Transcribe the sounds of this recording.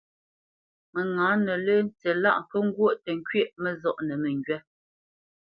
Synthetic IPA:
mə˨ŋãː˨˦nə˨lə˦n̩˦˨t͡sɛ˨la˦ʔŋ˨kə˦ŋ˦ɡwo˦˨ʔtə˨ŋ˦kɥe˦˨ʔmə˦zɔ˦˨ʔnə˨mə˨ŋɡɥɛ˦

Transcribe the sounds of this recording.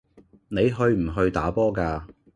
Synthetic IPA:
ne˨˧jɦɵ˧ɥm̩˨˩ɦɵ˧ɥt̪a̰ː˨˥pɔː˥kaː˧

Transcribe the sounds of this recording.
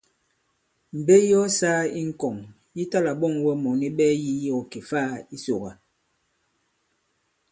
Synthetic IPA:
m̩˨be˦jɔ˦sa˦i˦ŋ̩˨kɔ˨ŋ | ji˦ta˦la˨ɓɔ˦˨ŋwɛ˦mɔ˨ni˦ɓɛː˦ji˦jɔ˦ki˨faː˦i˦so˨ɣa˨

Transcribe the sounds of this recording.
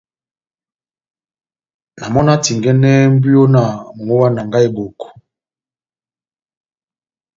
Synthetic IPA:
na˨mɔ˦na˦ti˨ŋɡɛ˦nɛ˦m̩˦bu˦jo˦na˨mo˨ŋo˦wa˦na˨ŋɡa˦e˦bo˨ko̥˨

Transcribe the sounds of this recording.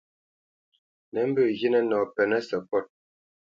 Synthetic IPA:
nɛ˨˦m˦bə˦˨ɣi˦nɛ˦nɔ˨pɛ˨nɛ˦sə˨pɔ˦˨t̚

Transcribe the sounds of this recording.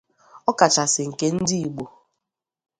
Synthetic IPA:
ɔ˦ka˨t͡ʃa˨sɪ˨ŋ̩˨ke˦n̩˦di˦i˨ɡ͡bo˨

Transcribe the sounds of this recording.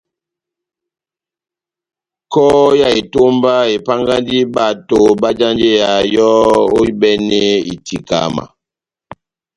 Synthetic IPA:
kɔ˦ja˦˨e˨to˦mba˦e˨pa˦ŋɡa˦ndi˦ba˦˨to˨ba˦d͡ʒa˦nd͡ʒe˦ja˨jɔ˦o˦i˦bɛ˦nɛ˦ḭ˨tʰi˨ka̰˨ma̰˨

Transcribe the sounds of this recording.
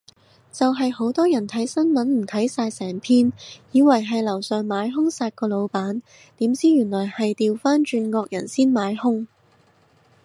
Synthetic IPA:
t͡sɐ˨wɦɐ˨jho˨˥wt̪ɔː˥jɐ˨˩nt̪ʰɐ˨˥jsɐ˥nmɐ˨˥nm̩˨˩t̪ʰɐ˨˥jsaː˧jsɛː˨˩ŋpʰiː˥njiː˨˧wɐ˨˩jɦɐ˨jlɐ˨˩wsœː˨˧ŋmaː˨˧jɦʊ˥ŋsaː˧t̚kɔː˧lo˨˧wpaː˨˥n | t̪iː˨˥mt͡siː˥jyː˨˩nlɔː˨˩jhɐ˨jt̪iː˨wfaː˥nt͡ʃyː˧nŋɔː˧k̚jɐ˨˩nsiː˥nmaː˨˥jhʊ˥ŋ

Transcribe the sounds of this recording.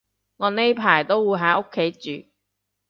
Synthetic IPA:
ŋɔː˨˧ne˥jpʰaː˨˩jt̪o˥wwuː˨˧jɦaː˨˧˥o˥kʰːe˨˥jt͡syː˨

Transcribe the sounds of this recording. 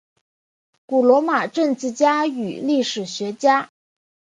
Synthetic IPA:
ku˨˩lwɔ˧˥ma˨˩ʈ͡ʂə˥˧ŋt͡sɹ̩˥˩t͡ɕja˥y̰˨˩li˥˩ʂɻ̩˨˩ɕɥɛ˧˥t͡ɕja˥

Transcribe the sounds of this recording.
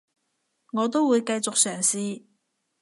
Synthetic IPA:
ŋɔː˨˧t̪o˥wwuː˨˧jkɐ˧jt͡sʊ˨k̚sœː˨˩ŋsiː˧

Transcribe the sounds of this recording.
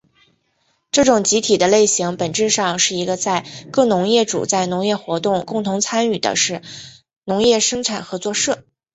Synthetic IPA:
ʈ͡ʂɤ˥˩ʈ͡ʂʊ˨˩ŋt͡ɕi˧˥t̪ʰi˨˩d̪ə˦le˥˩ɪɕi˧˥ŋpə˨˩nʈ͡ʂɻ̩˥˧ʂɑ˥˧ŋʂɻ̩˥˩i˧˥ɡə˧t͡sa˥˧ɪkɤ˥˩nʊ˧˥ŋjɛ˥˩ʈ͡ʂṵ˨˩t͡sa˥˩ɪnʊ˧˥ŋjɛ˥˩xwɔ˧˥t̪ʊ˥˧ŋkʊ˥˩ŋt̪ʰʊ˧˥ŋt͡sʰa˥ny˨˩d̪ə̰˦ʂɻ̩˥˩ | nʊ˧˥ŋjɛ˥˩ʂɤ˥ŋʈ͡ʂʰa˨˩nxɤ˧˥t͡swɔ˥˧ʂɤ˥˩

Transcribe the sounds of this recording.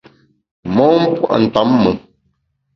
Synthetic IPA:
mɔ̃ː˨˦m̩˦pwa̰˦˨ʔn̩˨ta˨˦mːə˨

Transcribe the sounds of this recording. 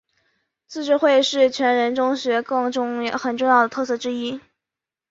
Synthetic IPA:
t͡sʰɹ̩˥˧ʈ͡ʂɻ̩˥˧xwe˥˧ɪʂɻ̩˥˩t͡ɕʰɥɛ˧˥nɻə˧˥nʈ͡ʂʊ˥ŋɕɥɛ˧˥kɤ˥˧ŋʈ͡ʂʊ˥˧ŋ˥˩xə˨˩nʈ͡ʂʊ˥˧ŋjɑ˥˩ʊə˩t̪ʰɤ˥˧sʰɤ˥˩ʈ͡ʂɻ̩˥i˥

